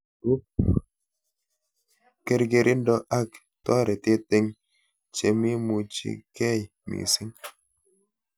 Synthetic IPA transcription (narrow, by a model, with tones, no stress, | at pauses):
u˦p | ke˦ɾɡe˨ɾʔɪ˦ndɔ˦ʔa˦k | tɔ˦ɾɛ˨te˦tɪ˦ŋ | t͡ʃe˨mi˦mu˨t͡ʃḭ˦kɛ˦˨jmḭ˨sɪ˦ŋ